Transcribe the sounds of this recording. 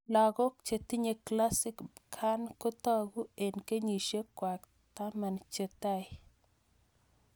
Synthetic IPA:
la˨ɡɔ˦kt͡ʃe˨t̪i˦ɲe˨kla˦sɪ˦kkʰa˦nko˦t̪ɔ˦ɡu˦e˨nke˦ɲi˨ʃe˦kwa˨k | t̪a˦ma˨nt͡ʃe˨t̪a˦

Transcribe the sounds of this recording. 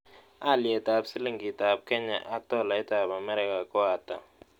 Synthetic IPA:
a˦li˨ɛ˨tʼa˨ɓsi˦li˦ŋɡi˨tʼa˨b̚kʰɛ˦ɲa̰˨ʔa˦tʼɔ˦la˨ɛ˦ta˨ɓa˨mɛ˦ɾi˦kʼa˨kʼwaː˨tʼa̰˨

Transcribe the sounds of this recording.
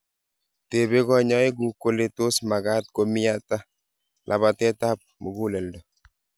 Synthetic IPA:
te˨be˦ɡɔ˦˨ɲɔ˦i˦ɡu˦ko˦le˦to˦sma˨ɡa˦t̚ko˦mi˦a˦ta˦ | lʔa̰˨βa˨tɛ˦ta˦p̚mo˨ɡu˦lɛ˨ldɔ˨

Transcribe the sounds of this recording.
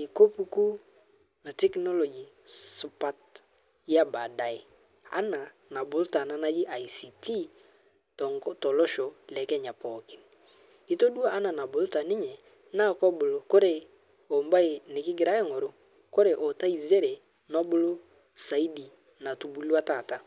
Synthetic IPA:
i˨ko˦pu˦ku˦ | na˨tɛ˦knɔ˦lɔ˨d͡ʒi˨su˨pa˦t | ja˦ba˨da˨ɪ˨ | a̰˦na˨ | na˨bʊ˨lta˨na˦na˦d͡ʒɪ˦ʔa˨i˨si˨ti˦ | tɔ˨ŋɡɔ˦tɔ˨lɔ˦ʃo˨lɛ˨kɛ˦ɲa˨pɔ˨kɪ˨˦n | ɪ˦to˦du˦a˦˨ʔa˦na˨na˨bʊ˨lta˨nɪ˦ɲɛ˨ | na˦˨kɔ˦bʊ˨lo˦ko˦ɾe˦˨ | o˨mba˦ɪ˨nɪ˨kɪ˦ɡɪ˨ɾa˦ɛ˦ŋo˨ɾo˦ | ko˦ɾe˨ʔɔ˨ta˦i˨ze˦ɾe˨ | nɔ˦bʊ˦lo˦ | sa˨i˦di˨ | na˨tu˨bu˦la˦ta˨ta˦

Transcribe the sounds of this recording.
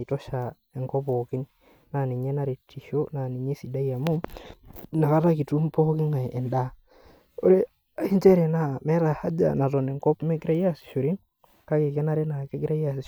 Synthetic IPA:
i˨to˦ʃa˨ | e˨ŋko˦po˨ki˦n | na˨ni˨ɲe˦na˦ɾe˨tʰːi˨ʃo˦na˨ni˨ɲe˦si˨da˦i˦ja˨mu˦ | na˨ka˦ta˦ki˨tu˦mpo˦ki˦ŋa˨ʔe˨nda˦˨ | o˦ɾe˦ | i˦ɲt͡ʃe˦ɾe˨na˨me˦ɾa˨ha˦d͡ʒa̰˨na˨to˨ne˨ŋko˦pme˦ɡi˦ɾa˦ja˦si̥˨ʃo˨ɾi˦ | ka˦ke˨ke˦na˦ɾe˦na˨ke˦ɡi˦ɾa˦ja˨si

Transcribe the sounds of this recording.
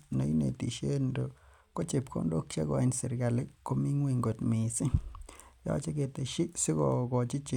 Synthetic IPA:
no˨˦jnḛ˨t̪i˨ʃe˦nɾo˨ | ko˦t͡ʃe˨pkʰo̰˦ndo˦kt͡ʃa̰˦ɡo˧a˧nse˨ɾɡa˨le˦ko˧˦mi˦ŋwi˧ŋɡo˨t̪mi˨si˦ja̰˦t͡ʃa˦ɡe˧t̪e˨ʃi˦si˦ɡo˨ɡo˨t͡ʃi˦t͡ʃe˧

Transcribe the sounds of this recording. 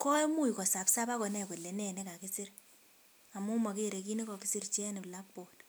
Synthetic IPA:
kɔ˦jmu˦˨jikɔ˨sa˨psa˦pa˦kɔ˨nɛ˦˨ko˨lːe˨nɛ˦˨ne˦ka˨ki˦si˦r | a˨mu˦ma˨ke˦ɾe˨k̬i˦ni˦kɔ˨ki˦si˦rt͡ʃɛ˦ni˨pla˦k̚pɔ˨t

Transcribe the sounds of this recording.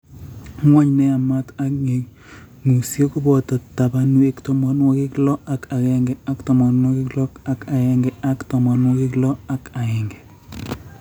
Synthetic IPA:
ŋwɔ˦ɲnɛ˦a˨ma˦ta˦kŋe˨ | ŋu˨sjo˦ku˦bɔ˨tɔ˨ta˨ba˦nu˦e˦ktɔ˦mɔ˦nwɔ˦kɪ˦klɔ˦a˨ka˨kɛ˦ŋɡɛ˨a˦ktɔ˨mɔ˨nwɔ˦kɪ˦klɔ˦ka˦ka˨ɛ˨ŋɡɛ˨a˦ktɔ˨mɔ˨nwɔ˦kɪ˦klɔ˦a˦ka˨ɛ˨ŋɡɛ˨

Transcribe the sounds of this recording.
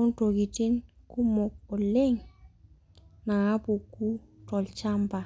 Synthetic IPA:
ʊ˦nto˨ki˨ti˦nku˦mɔ˨k̚ɔ˨le˦ŋ | na˨ŋa˦pu˨ku˦ | tɔ˨lt͡ʃa˦mba˨

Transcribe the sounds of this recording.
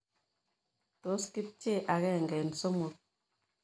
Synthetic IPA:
tɔ˨˦ski˦p̚t͡ʃe˦˨ʔa˨ɣɛ˦˨ŋɡɛ˨n̩˨so˦mo˨t̚

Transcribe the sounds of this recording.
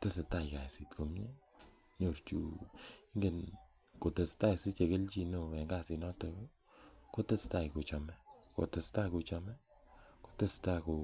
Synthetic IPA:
te˦se˨ta˦jka˨si˨tko˨mɲe˦ | ɲo˨ɾt͡ʃṵ˨i˦ŋɡe˨n | ko˨te˨sta˦˨si˦t͡ʃe˨ke˦lt͡ʃi˨no˨ɛ˨ŋɡa˦si˨nɔ˦to˨˦ | ko˦te˦sta˦ko˨t͡ʃɔ˨mɛ˦ko̰˨te˨sta˦ku˨t͡ʃɔ˧mɛ˦ | ko̥˦te˦sta˦ko˨

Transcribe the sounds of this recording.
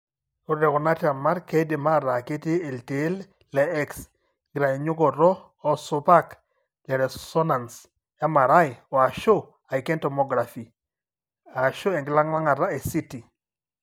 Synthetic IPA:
o˦ɾɛ˨kɔ˨na˦ta˨ma˦ɾke˦dɪ˨ma˦˨ɾa˨ke˦te˦e˨lte˨˦l | lɛ˨ɛ˦ks | ŋɡɾa˨i˨ɲʊ˦ɡɔ˨ɾɔː˦˨ | so˦pa˦k | lɛ˨ɾɛ˨sɔ˦na˨ns | ja˦ma˨ɾa˦jɪ˨ɔ˨a˨ʃo˦ | a˨ɪ˨kɛ˦ntɔ˨mɔ˦ɡɾa˨fi˨ | a˨ʃo˦ɛ˨ŋɡɪ˨la˦ŋwa˦ŋa˨ɾa˦e˨si˦ti˨

